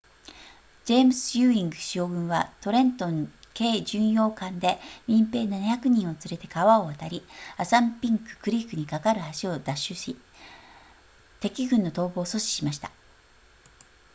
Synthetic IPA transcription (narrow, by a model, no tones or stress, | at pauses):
d͡ʑe̞ːmɯsɨ̥jɯːĩŋɡɯ̟ɕoːɡɯ̟̃ɰ̃βat̪o̞ɾẽ̞nt̪õ̞ŋke̞ːʑɨ̃ɰ̃jo̞ːkãnd̪e̞mʲĩmpe̞ːnanaçakɯ̟ɲ̟ĩɰ̃o̞t͡sɨɾe̞t̪e̞kaβao̞βat̪aɾʲiasãmpʲĩŋkɯ̥kɯ̟ɾʲikːɯ̟ɲ̟ikakaɾɯ̟haɕio̞d̪aɕːɨɕi | t̪e̞kʲiɡɯ̟̃nːo̞t̪o̞ːbo̞ːso̞ɕi̥ɕimaɕi̥t̪ḁ